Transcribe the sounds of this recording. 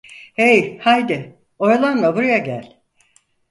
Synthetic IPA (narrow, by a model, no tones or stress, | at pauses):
ejhajd̪ɪ | o̞ɾalˠanlˠabuɾajaɟælʲ